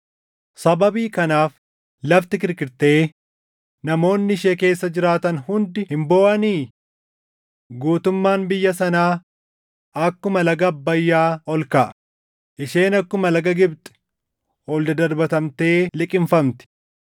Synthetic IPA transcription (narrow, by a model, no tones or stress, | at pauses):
sɐbɐbiːkɐnaːf | lɐft̪ɪkɪɾkɪɾt̪e̞ː | nɐmo̞ːnːɪɪʃeːke̞ːsːɐd͡ʒɪɾaːt̪ɐnhʊnd̪ɪhɪmbo̞ːʔɐniː | ɡuːt̪ʊmːaːnbɪjːɐsɐnaː | ɐkːʊmɐlɐɡɐbːɐjːaːɔlkɐʔ | ʔɪʃe̞ːnɐkːʊmɐlɐɡɐɡɪbt̪ʼɛ̥ | ɔːld̪ɐd̪ɐɾbɐt̪ɐmt̪e̞ːlɪkʼɪmfɐmt̪ɪ̥